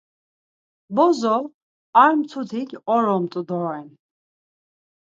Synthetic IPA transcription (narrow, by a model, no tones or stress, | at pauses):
bɔzɔ | aɾmt̪ʰut̪ʰikʲɔɾɔmt̪ʼud̪ɔɛn